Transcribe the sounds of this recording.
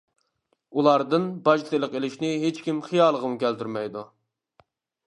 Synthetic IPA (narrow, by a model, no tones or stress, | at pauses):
ulˠɑɾd̪ɨnbɑʒt̪ɨlˠəqelɪʃnɪɦet͡ʃkʲimχijɑːlˠəʁəmukʲʰælt̪ʰyɾmɛjd̪u